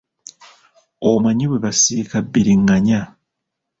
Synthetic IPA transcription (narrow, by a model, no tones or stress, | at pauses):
omaɲiβweβasiːkabːiɾiŋːaɲa